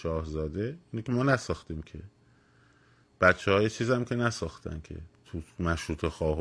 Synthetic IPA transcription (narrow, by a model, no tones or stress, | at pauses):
ʃɒːhzɒːd̪e̞iːnicʰʲemɒːnæsɒːxt̪iːmcʰḛ | b̥æt̪t͡ʃʰːehɒːjet͡ʃʰiːzæmcʰe̞næsɒːxt̪ʰæ̰ncʰḛt̪ʰumæʃɾuːt̪ʰexɒːɦ